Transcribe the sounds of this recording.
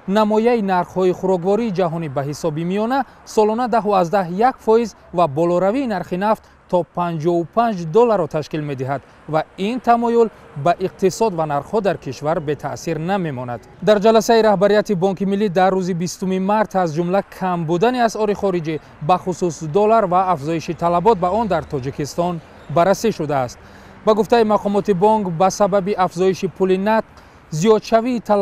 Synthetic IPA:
namɔjainaɾχhɔiχuɾɔɡvɔɾiːd͡ʒaɦɔnibaɦisɔbimijɔna | sɔlɔnad̪aɦuazd̪aɦjakfɔiz | vabɔlɔɾaviːnaɾχinaft̪ | t̪ʰːɔpʰand͡ʒɔupʰand͡ʒd̪ɔlːaɾɔt̪ʰaʃkilme̞d̪iɦad̪ | vaint̪ʰamɔjul | baʔiq̚t̪isɔd̪vanaɾχhɔd̪aɾkʰiʃvaɾbe̞t̪ʰasiɾname̞mɔna̰d̪d̪aɾd͡ʒalasaiɾahbaɾijat̪ibɔŋkimilːid̪arːuzibist̪umimaɾt̪ʰazd͡ʒumlakʰambud̪aniasɔɾiχɔɾid͡ʒi | baχususd̪ɔlaɾvaːfzɔiʃit̪ʰalabɔt̪̚baɔnd̪aɾt̪ʰɔd͡ʒikist̪ɔn | baɾːasiʃud̪aːst̪̚ | baɡuft̪aimaqʰɔmɔt̪ibɔŋkbasababiʔafzɔiʃipʰulinat̪̚q | zijɔd̪ʃaviːt̪ʰa

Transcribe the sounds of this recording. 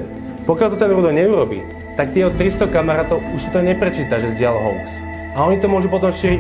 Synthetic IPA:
pɔkɪalt̪ɔt̪ɛnɾud̪ɔɲɛuɾɔbḭː | t̪ak̚t̪ɪɛɦɔt̪ɾist̪ɔkamaɾaːt̪ɔʊuʃsḁt̪ɔɲɛpɾɛt͡ʃiːt̪aʒɛzɟɪalɦɔ̰lks | aɔɲit̪ɔmʊɔʒupɔt̪ɔmʃiːɾi

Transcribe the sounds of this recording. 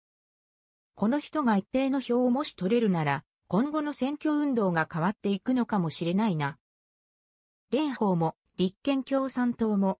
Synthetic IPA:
ko̞no̞çi̥t̪o̞ɡait̪ːe̞ːno̞ço̞ːomo̞ɕi̥t̪o̞ɾe̞ɾɯ̟naɾa | kõ̞ŋɡo̞no̞sẽ̞ŋkʲo̞ɯ̟̃nd̪o̞ːɡakaβ̞at̪ːe̞ikɯ̟no̞kamo̞ɕiɾe̞naina | ɾẽ̞ɰ̃ho̞ːmo̞ | ɾʲikːẽ̞ŋkʲo̞ːsãnt̪o̞ːmo̞

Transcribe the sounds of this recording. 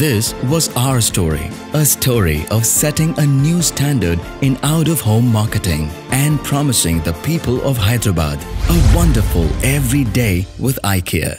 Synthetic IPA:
ðɪswɔzaʊə˞stɔɹḭ | əstʰɔɹḭʔʌv̥sɛɾɪ̃ŋənjustʰæ̃ndə˞d | ɨ̃naʊɾʌv̥hõʊ̃mːɑɹkɨtɪ̰̃ŋ | ɨ̃npʰɹ̥ɑmɨsɪ̰̃ŋðəpʰipəlˠɔv̥ɦaɪd̪ɹəba̰d̪əwʌ̃ndə˞fəlˠʔɛvɹideɪwɪðaɪkʰḭə̰

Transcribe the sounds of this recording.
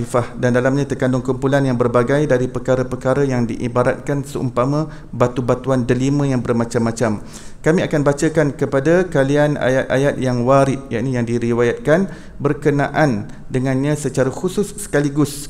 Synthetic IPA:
ifahdandalamɲãt̪ərkandʊŋkumpulanjaŋbərbaɡajdaɾipəkaɾəpərkaɾajaŋdiʔibaɾa̰t̪̚kansəʔṵmpamã | bat̪ubat̪uandəlimə̃jaŋbərmãt͡ʃamːãt͡ʃam | kamĩakanbat͡ʃəkankəpadakaliana̰jat̪̚a̰jat̪̚jaŋwaɾɪp̚jaʔinĩjaŋdiɾiwajat̪̚kan | bərkənãʔan | dəŋãnɲãsət͡ʃaɾaxusʊsːə̥kaliɡʊs

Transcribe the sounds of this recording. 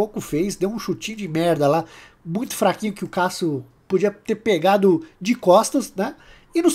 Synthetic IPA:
okʊfejzd̪ewũʃut͡ʃĩʊd͡ʒɪmɛɾd̪ɐla | mũj̃t̪ʊ̥fɾakĩɲ̃ʊkɪʊkasʊ | pod͡ʒiɐt̪eɾpeɡad̪ʊd͡ʒɪkɔst̪ɐsnɛ | ɪnʊs

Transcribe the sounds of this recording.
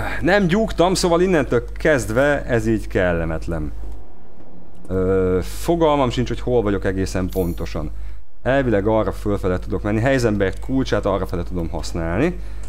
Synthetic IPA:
nɛmɟukt̪ɒmsoːvɒlinːɛnt̪ølkɛzd̪vɛɛziːɟkɛlːɛmɛt̪lɛm | øː | foɡɒlmɒmʃint͡ʃhochoːlvɒɟo̞kɛɡeːsɛmpo̞nt̪o̞ʃɒ̰n | ɛlvilɛɡɒrːɒfølfɛlɛt̪ud̪o̞kmɛnːiɦɛjzɛmbɛɛrt̪kʰult͡ʃaːt̪ɒrːɒfɛlɛt̪ud̪o̞mɦɒsnaːlni

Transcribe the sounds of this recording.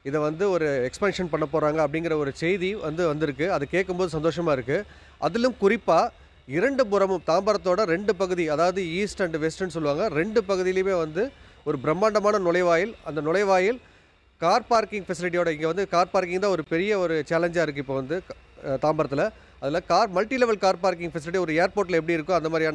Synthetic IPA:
ɪðɐʋɐnd̪ɯɔɾɯɛkspaːnʂɐnpɐɳːɐpːoːɾaːŋɡɐːp̬ːɐɽɪŋɡɪɾɐɔɾɯt͡ʃɛjðiʋɐnd̪ɯʋɐnd̪ɪɾɯkːɯɐðɯkeːʈ̚kːɯmboːðɯs̬ɐnd̪oːʂɐmaːɪɾɯkːɯ | ʔɐðɪlɯmkʊɾɪpːaː | ɪɾɐɳɖɯpʊɾɐmɯmt̪aːmbɐɾɐt̪ːoːɽɐɾɛɳɖɯpɐɣɯðiɐðaːʋɐðɯiːsʈɐɳɖʋɛsʈɐns̬ɔlːɯʋaːŋɡɐɾɛɳɖɯpɐɣɯðɪjɪlɪjɯmeːʋɐnd̪ɯ | ɔɾɯbɪɾɐmːaːɳɖɐmaːnɐnʊlɐɪʋaːjɪlɐnd̪ɐnʊlɐɪʋaːjɪl | kaːɾpaːɾkɪ̃ŋɡfɛsɪlɪʈ̬ːijoːɽɐɪŋɡeʋɐnd̪ɯkaːɾpaːɾkɪ̃ŋɡt̪ãːɔɾɯpɛɾɪjɐɔɾɯt͡ʃaːlɛɲd͡ʒaːɪɾɯkːɯɪpːoːʋɐnd̪ɯ | t̪aːmbɐɾɐt̪ːɪlɐ | ɐðɪlɐkaːɾmɐlʈilɛʋɐlkaːɾpaːɾkɪŋɡfɛs̬ɪlɪʈ̬iɔɾɯeːɾpoːʈ̬ːɪlɐɛp̬ːɐɽiɪɾɯkːʊ̃ɐnd̪ɐmad̪ɾjaːnɐ

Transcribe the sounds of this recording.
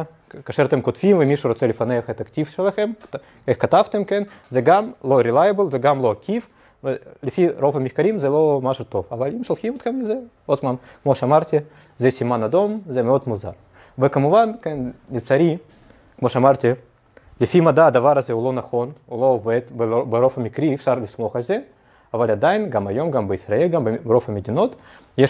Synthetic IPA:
kaːʃeɾɐt̪emkot̪fʲimvɛmʲiʃuɾo̞t͡sɛlifanexet̪ɐktʲifʃelaxem | exkat̪avt̪emkenzɛɡamlo̞ɾʲilajɐbəlˠzɛɡamlˠoakʰʲif | velɪfiɾo̞vɐmʲixkaɾʲimzɛlo̞maʃut̪o̞vavalimʃolˠximot̪χemlɪze | o̞t̪mamkmo̞ʃɛamaɾt̪ʲi | zɛsʲimanad̪o̞mzɛmeo̞d̪muza̰ɾ | vekamuvankennit͡saɾʲi | kmo̞ʃeamaɾt̪ʲi | lɪfimad̪aːd̪avaɾɐzɛulo̞nɐχo̞nulo̞ːved̪bobeɾo̞fɐmʲikɾiːfʃaɾlismo̞χalʲze | avalʲad̪ajinɡamajo̞mɡambəisɾɐelʲɡambɾo̞fɐmed̪ʲino̞t̪ | jeʃ

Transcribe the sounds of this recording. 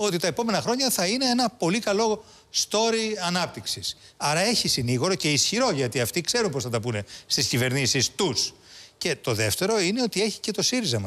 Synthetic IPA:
o̞t̪it̪ɐepo̞me̞nɐxɾo̞ɲɐθɐine̞enɐpo̞likɐlo̞ | st̪o̞ɾiɐnɐp̚t̪iksis | ɐɾɐe̞çisiniɣoɾo̞ce̞isçiɾo̞ʝɐt̪iɐft̪ikse̞ɾumpo̞sθɐt̪ɐpune̞st̪iscive̞ɾnisist̪us | ce̞t̪o̞ðe̞ft̪e̞ɾo̞ine̞o̞t̪ie̞çi̥ce̞t̪o̞siɾizɐmɐ

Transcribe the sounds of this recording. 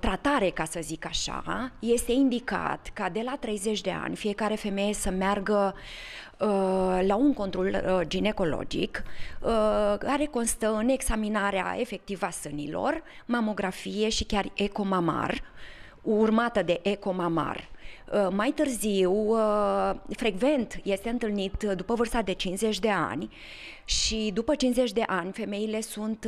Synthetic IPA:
t̪ɾat̪aɾe̞kasəzikaʃa̰je̞st̪e̞ind̪ika̰t̪kad̪e̞lat̪ɾe̞jze̞t͡ʃʲd̪e̞a̰nʲfije̞kaɾe̞fe̞me̞je̞səmearɡə | əlauŋko̞nt̪ɾo̞ld͡ʒine̞ko̞lo̞̰d͡ʒḭkəkaɾe̞ko̞nst̪əɨne̞ɡsaminaɾea̰ʔe̞fe̞k̚t̪ivasɨnḭlo̞̰r | mamo̞ɡɾafije̞ʃikʲare̞ko̞mama̰r | urmat̪əd̪e̞ʔeko̞mama̰rəmajt̪ɨrziwə | fɾe̞ɡve̞nt̪je̞st̪e̞ɨnt̪ɨlnit̪d̪upəvɨrst̪ad̪e̞t͡ʃinsze̞t͡ʃʲd̪e̞a̰nʲ | ʃid̪upət͡ʃinsze̞t͡ʃʲd̪e̞ʔanʲfe̞me̞ile̞sunt̪

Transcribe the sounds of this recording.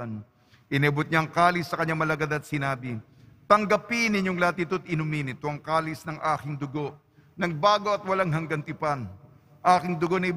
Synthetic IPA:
n | ʔɪnɛbʊt̪̚ɲaɐŋkaːlɪsːɐkɐɲːamɐlɐɡad̪ɐt̪̚sɪnaːbɪ | t̪ɐŋɡɐpinɪɲːoŋlaːt̪it̪ot̪̚ɪnʊmiːnɪt̪oʔɐŋkaːlɪsnɐŋʔaːkɪŋd̪ʊɡo̞ʔ | nɐɡ̚baːɡo̞ɐt̪̚wɐlaŋɦɐŋɡɐnt̪ɪpɐn | ʔaːkɪŋd̪ʊɡo̞nɐʔɪ

